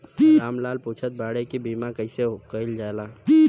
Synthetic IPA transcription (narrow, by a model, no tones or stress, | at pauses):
ɾaːmlaːlpuːt͡ʃʰət̪̚baːɽekibiːmakəɪsekəɪld͡ʒaela